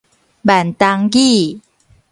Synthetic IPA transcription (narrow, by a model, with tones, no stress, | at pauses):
ba˨˩nt̪a˧ŋɡi˥˨